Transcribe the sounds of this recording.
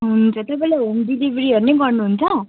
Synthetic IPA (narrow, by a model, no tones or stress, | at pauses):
ɦunt͡sʰʌt̪ʌpaĩlaɦomɖilibʱɾiɦʌɾuneɡʌɾnuɦunt͡sʰʌ̃